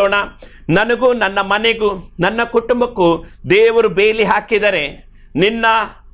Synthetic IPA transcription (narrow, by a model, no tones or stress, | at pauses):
oːɳɐ | nɐnɐɡuːnɐnːɐmɐneɡunɐnːɐkuʈumbɐkːud̪eːʋɐɾubeːliɦaːkid̪ɐɾe̞ | ninːɐ